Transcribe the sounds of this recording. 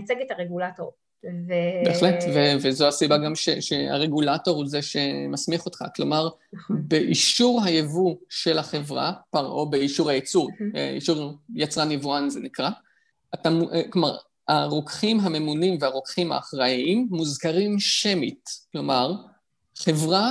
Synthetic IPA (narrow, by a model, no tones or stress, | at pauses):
t͡seɡetaʁeɡulatoʁ | vebeːχletvevezo̞asibaɡamʃeʃea̰ʁeɡulato̞ʁhuzeʃe̞masmiχotχa̰klo̞̰maʁ | beʔiʃuʁɦajevuʃe̞laχe̞vʁa̰paʁobeiʃuʁhajet͡suʁ̰ḭʃuʁjat͡sʁanivuanzenikʁa | tamukloma̰ʁ | aʁokχimɦame̞munimveaʁokχimha̰ːχʁaʔimːuzkaʁimʃemitklo̞maʁ | χe̞vʁa